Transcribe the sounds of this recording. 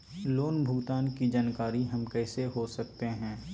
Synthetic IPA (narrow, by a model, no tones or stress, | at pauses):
loːnbʱʊɡt̪aːnkid͡ʒaːnkaːɾiɦɐmkɛːseɦosɐkt̪eɦɛ̃ː